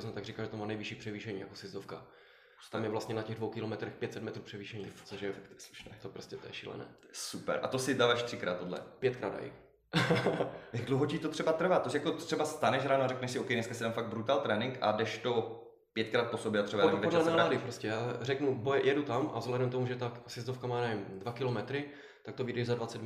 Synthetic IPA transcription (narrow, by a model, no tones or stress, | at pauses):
snot̪aɡrikalʒɛt̪omaːnɛjvɪʃiːpr̝̥ɛviːʃɛɲḭːja̰kosɪzd̪ofka̰̥ | t̪amjɛvlast̪ɲɛnacɛɣdvowkɪlomɛt̪ɾɛxpjɛt̪sɛt̪mɛt̪ɾuːpr̥ɛviːʃɛɲiːsoʒɛsu̥ʃt̪opɾoscɛt̪o̰jɛ̰ʃḭlɛ̰nɛ̰ː | supɛ̰ɾʔa̰t̪osɪdaːvaːʃt̪r̥ɪkɾaːt̪ːodlɛ̰pjɛt̪̚kɾaːda̰j̰ | jaɡdlowɦocit̪ot̪r̝̥ɛbat̪r̩vaːt̪osjakot̪t̪r̥ɛbast̪anɛʃɦɾaːnoaɾɛknɛʃsɪokɛjnɛskasɪdaːmfaɡ̚bɾut̪aːlt̪ɾɛːnɪŋka̰dɛʃt̪o | pjɛt̪̚kɾaːt̪̚posobjɛʔat̪rɛbaamvɛdɛnalaːdɪpɾoscʲɛjaːrɛknubojɛjʔɛdut̪amʔa̰vzɦlɛdɛmt̪omuʒɛt̪aksɛzd̪ofkamaːnɛvɪmdvakɪlomɛt̪ɾɪ | t̪akt̪ovidɛʒzadvat͡sɛt̪